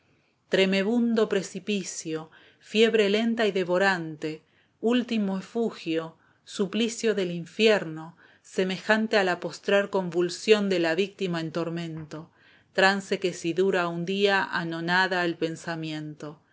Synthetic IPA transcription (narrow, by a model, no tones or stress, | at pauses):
t̪ɾe̞me̞βund̪o̞pɾe̞sipisjo̞ | fje̞βɾe̞le̞nt̪aiðe̞βo̞ɾant̪e̞ | ult̪imoefuxjo̞ | suplisjo̞ðe̞liɱfjeɾno̞ | se̞me̞xant̪ealapo̞st̪ɾaɾko̞ɱbulsjo̞nd̪elaβik̚t̪imaent̪o̞ɾmẽ̞nt̪o̞ | t̪ɾanse̞kesiðuɾaund̪iaʔa̰no̞naðaelpe̞nsamjẽ̞nt̪o̞